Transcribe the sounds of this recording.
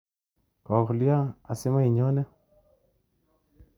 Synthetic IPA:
kɔ˨kʊ˨lja˦a˨sɪ˦ma˦i˨ɲɔ˦nɛ˦

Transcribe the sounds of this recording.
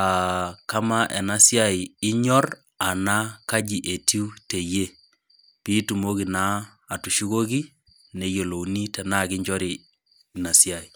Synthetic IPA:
a˨ka˦ma˦ʔɛ˨na˦sja˦i˨ɪ˦ɲɔ˦r | a˨na˦ka˦d͡ʒi˨ʔe˨ti˦u˦te˨je˦ | pi˦tu˨mo˦ki˨naː˦˨ | tu˨ʃu˦ko˦k̬i˦ | ne˦jo˨lo˨wni˦tɛ˨na˦kɪ˦ɲd͡ʒɔ˦ɾi˨ | i˨na˨sja˨i˨

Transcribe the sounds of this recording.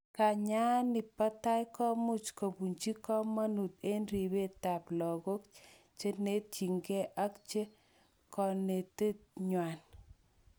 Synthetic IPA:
ka˨ɲa˦nɪ˨pa˦ta˦jkɔ˦mʊ˦t͡ʃko˨bu˨ɲt͡ʃi˦kɔ˦ma˦nu˨t̪̚e˦nɾi˨be˦ta˨plɔ˨ɡo˦k | t͡ʃe˦ne˦t̚t͡ʃi˨ŋɡɛ˦ʔa˦kt͡ʃe˦ | kɔ˨ne˨te˦t̚ɲwa˨n

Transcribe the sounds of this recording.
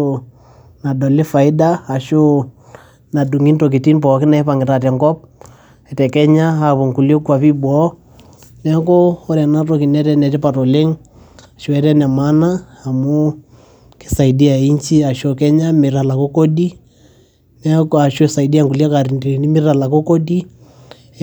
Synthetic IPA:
o | na˨dɔ˨lɪ˦fa˨i˦daː˦˨ʃo˦ | na˨du˨ŋi˦nto˨k̬i˨ti˦npɔ˨kɪ˦na˦pa˨ŋɡɪ˨ta˨t̬ɛ˨ŋkɔ˦p̚ | ɛ˨tɛ˨kɛ˦ɲa˦a˨βɔ˨ŋku˨lio˦ku˦a˨pi˦bɔ˦ | nɛ˦k̬ɔ˦ɔ˦ɾɛ˨na˦tɔ˦ki˨nɛ˦tɛ˦nɛ˨ti˦pa˨tɔ˨le˦ŋ | a˨ʃo˦ɛ˦ɾɛ˦nɛ˨ma˦naː˦˨ | mo˦ | ki̥˨sa˨i˨di˦a˨i˦ɲt͡ʃi˦a˨ʃo˦kɛ˦ɲa˦mɪ˨ɾa˨la˨ko˦ko˦di˦ | nɛ˦ka˨ʃo˦sa˨i˨di˦a˨ŋku˨li˦a˦ka˨ɾi˨ndni˦mɪ˦ɾa˨la˨ko˦ko˦di˦

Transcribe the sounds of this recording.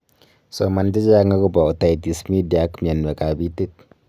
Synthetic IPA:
so˨ma˨ndi˦d͡ʒa˦ŋɡa˦ku˦ba˨u˨ta˨jti˨smi˦di˨a˦kmi˨a˨nbe˨ka˨bi˦ti˦t̚

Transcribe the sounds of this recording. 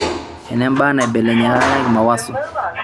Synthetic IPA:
ɛ˨nɛ˦m˦ba˦na˨i˨bɛ˨lɛ˨ɲɛ˨ɾa˦a˦na˦kma˨wa˦sɔ˨

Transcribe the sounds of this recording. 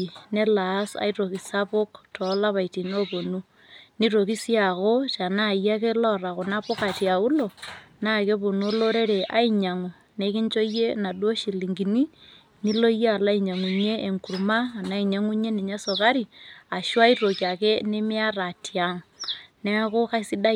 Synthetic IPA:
ne˦laː˨˦sa̰˦iɾo˨ki˨sa˦po˦ktʰɔ˨˦la˦βa˨iti˨no˦po˨nu˦ | ni˦ɾo˨ki˦si˦a˨ko˦t͡ʃa˨na˦˨ja˦ke˦lɔ˦ɾa˨ko˨na˦po˦ka˨tja˨u˦lo˨na˦˨ke˦po˨nu˦o˦lo˦ɾe˦ɾe˨ʔa̰˦i˦ɲa˨ŋo˨ | ne˦ki˦ɲt͡ʃo˦je˦na˨dwo˦ʃi˨li˨ŋɡi˨ni˦ | ni˦lo˦je˦a˨la˦i˨ɲa˨ŋu˨ɲeː˦˨ŋku˨ɾumaː˦˨na˦i˨ɲa˦ŋu˦ɲe˦ni˨ɲa˦so˨ka˦ɾi˨a˨ʃwa˦i˦ɾo˨kia˨ke˦ne˦mi˦a˦ra˨tʰja˨ŋne˦a˦ko˦ka˦si˦da˦

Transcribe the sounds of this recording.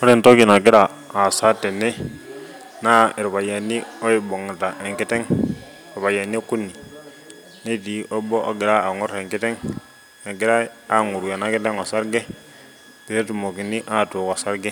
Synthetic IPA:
o˦ɾi˦˨nto˦ki˨na˨ɡi˦ɾa˨ | a˨sa˦tɛ˨nːɛ˦ | na˦i˨ɾβa˨ja˨nːi˦o˦i˨bo˨ŋ˨ta˨ʔe˨ŋki˦tɛ˦ŋ˨ | ɾpa˨ja˨ni˦ku˦nːi˨ | ne˦ti˨ʔo˦bɔ˦ʔo˦ɡi˨ɾa˦a˨ŋu˦ɾe˨ŋki˦tɛ˦ŋ | na˨ɡi˦ɾa˦a˦ŋu˨ɾɡa˨na˨˦ki˦tɛ˦ŋa˨sa˦ɾɡɛ˦ | pe˨ɾe˦tu˨mo˨ki˨ni˦ʔa˦˨tu˨ka˨sa˦ɾɡɛ˦

